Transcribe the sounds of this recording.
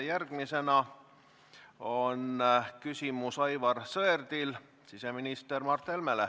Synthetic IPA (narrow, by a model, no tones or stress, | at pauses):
jærɡ̥mise̞nɑ | onkysʲimusɑjvɑrsɤerd̪̥il | sise̞minist̪ermɑrt̪ːelmele